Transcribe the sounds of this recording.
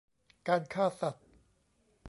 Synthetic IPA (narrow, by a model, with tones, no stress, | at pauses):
kaː˧nkʰaː˥˩sa˨˩t̪̚